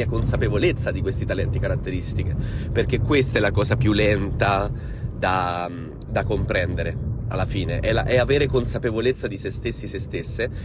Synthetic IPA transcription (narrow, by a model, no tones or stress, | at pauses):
iakonsapevolet̪sːad̪ikwest̪it̪alɛnt̪ikaɾat̪ːeɾist̪ik̟eperk̟ekːwest̪aɛlakɔːsapjulːɛnt̪a | d̪a | d̪akompɾɛnd̪eɾea̰lːafiːneʔɛla̰ʔɛaveːɾekonsapevolet̪sːad̪isest̪esːisest̪esːe